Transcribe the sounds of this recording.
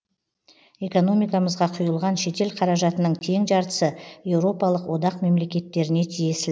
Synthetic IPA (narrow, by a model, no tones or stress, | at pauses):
e̞ko̞no̞mijkɑməzʁɑqʰʊjəlˠʁɑnʃe̞t̪e̞lqʰɑɾɑʒɑt̪ənəɴt̪ʰe̞ŋʒɑɾt̪ə̥səje̞wɾo̞pɑlˠəqwo̞d̪ɑqme̞mle̞kʲe̞t̪ːe̞ɾɪne̞t̪ʰije̞sɪ